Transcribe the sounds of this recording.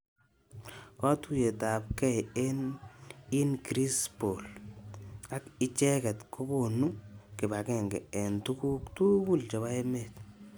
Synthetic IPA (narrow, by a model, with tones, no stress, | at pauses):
kɔ˦tu˦je˨ta˨p̚kɛ˦ɛ˦n | i˦nkɾi˦spo˨l | a˦kɪ˦t͡ʃɛ˦kɛ˨tkʰo˦ko˨nu˦ŋkɪ˨ba˨kɛ˦˨ŋɡɛ̰˨ɛ˨ntu˦ku˦ktu˦ku˦lt͡ʃɔ˨βa˦e˦me˨t